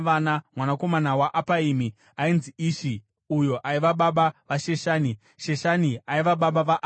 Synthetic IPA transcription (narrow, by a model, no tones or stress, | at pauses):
ʋanamwanako̞manawaʔapaiːmi | ainziiːʃi | ujo̞ʔaiʋaɓaɓaʋaʃe̞ʃaːni | ʃe̞ʃaniaiʋaɓaɓaʋaʔ